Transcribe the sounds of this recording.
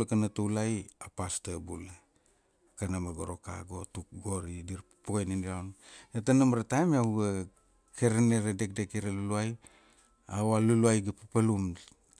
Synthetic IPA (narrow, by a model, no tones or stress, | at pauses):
lkanatuwlajapastabula | kanamaɡoɾo̞ka̰ɡo̞tuk̚ɡo̞ɾidiɾ | puɡejniniɾawnetanamɾatajmaɡa | keɾeneɾade̞k̚dekeɾaluluaj | awaluluajɡapapalum